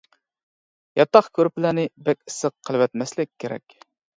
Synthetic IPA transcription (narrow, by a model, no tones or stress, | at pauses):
jɑt̪ːɑχkʰʲøɾpɪlænɪbɛkʲi̥səq̚qʰːəlˠwɛt̪mɛslɪkʲʰːeɾɛ̰kʲ